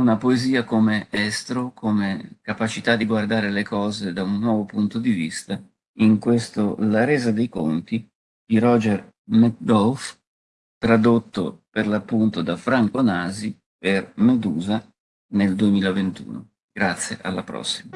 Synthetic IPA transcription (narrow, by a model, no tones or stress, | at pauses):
unapoeziːakomeɛst̪ɾokʰomekapat͡ʃit̪ad̪ːiɡward̪aːɾelekɔːzed̪aunːwɔːvopunt̪od̪ivist̪a | iŋkwest̪olaɾeːzad̪ejko̰nt̪i | d̪̥iɾɔd͡ʒɛr | mɛt̚d̪ɔlf | t̪ɾad̪ot̪ːo̰perlapːunt̪od̪afɾaŋkonaːzi | permed̪uːza | neld̪uemiːlavent̪ṵːno̰ | ɡ̥ɾat̪sːjeʔa̰lːapɾɔ̰sːi̥ma